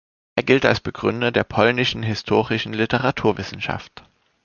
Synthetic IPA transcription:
ʔeːɐɡɪlta̰lsb̥əɡʁʏndɐdeːɐpʰɔlnɪʃn̩ɦɪstʰoːʁɪʃn̩lɪtəʁatʰuːɐvɪsn̩ʃa̰ft

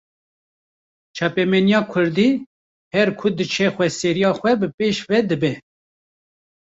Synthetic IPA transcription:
t͡ʃʰɑːpɛmɛnijɑːkʰʊɾd̪iː | hɛɾkʰʊd̪ɨt͡ʃʰɛxʷɛsɛɾijɑːxʷɛbɨpeːʃvɛd̪ɨbɛ

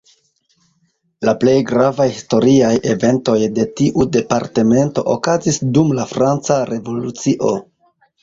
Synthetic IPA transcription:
laple̞jɡɾavajhisto̞ɾiaje̞ve̞nto̞jde̞tiʔude̞paɾte̞me̞nto̞ʔokazisdumlafɾant͡saɾʔe̞vo̞lut͡siʔo̞̰

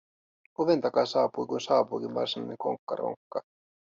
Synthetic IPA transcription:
oʋe̞nt̪ɑkɑsɑːpujkunsɑːpuik̟inʋɑ̰rsinɑ̰neŋko̞̰ŋkːɑ̰ro̰ŋkːɑ

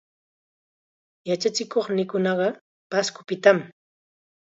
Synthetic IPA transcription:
jat͡ʃat͡ʃɪkoχnɪkʊnɑɢɑ | paskʊ̥pɪt̪am

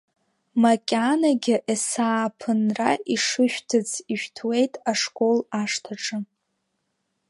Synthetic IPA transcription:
makʲʼanaɡʲɪʔesaːpʰɨnraʔiʂɨʃᶣtʰɨt͡sʰiʃᶣtʰwe̞jtʼaʂkʼo̞laʂtʰaʈ͡ʂʼɨ

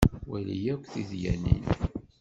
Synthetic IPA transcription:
wælijækʷːθiðjænḭn

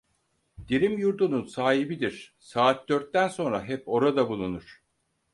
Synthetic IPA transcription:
d̪̥iɾimjuɾd̪ununsaːɦibid̪iɾ̥saːt̪̚d̪øɾt̪ːænso̞nɾaɦɛpo̞ɾad̪abulˠunuɾ̥

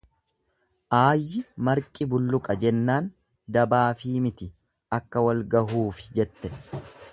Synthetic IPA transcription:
ʔaːjːɪmɐɾkʼɪbʊlːʊkʼɐd͡ʒɛnːaːn | d̪ɐbaːfiːmɪt̪ɪ | ɐkːɐwɐlɡɐɦuːfɪ̥d͡ʒɛt̪ːɛ

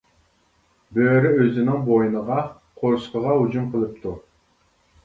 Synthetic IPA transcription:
bøːɾyøzɪnɪŋbojinəʁɑ | qʰoɾsqəʁɑud͡ʒumqʰəlˠɨp̚t̪ʰu

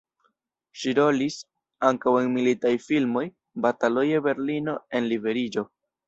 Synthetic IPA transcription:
ʃiɾo̞lis | aŋkawe̞nmilitajfilmo̞j | batalojebe̞ɾlino̞e̞nlibe̞ɾid͡ʒo̞

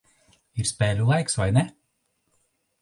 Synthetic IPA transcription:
iɾsʲpʲɛːlʲulˠajksvajnʲɛ

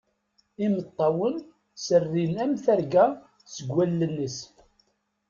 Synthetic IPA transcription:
imət̪ˤːɑwən | sərːilæmθæɾɡæ | səɡːælːənːəs

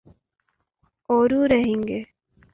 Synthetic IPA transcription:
oɾuːɾeɦiŋɡe

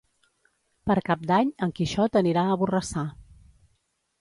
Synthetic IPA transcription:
pəɾkap̚d̪aɲəŋkiʃɔt̪əniɾaəβurəsa

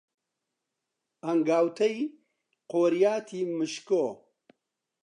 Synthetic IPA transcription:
ɐŋɡaːwt̪ʰɐj | qoːɾijaːt̪ʰimɨʃko

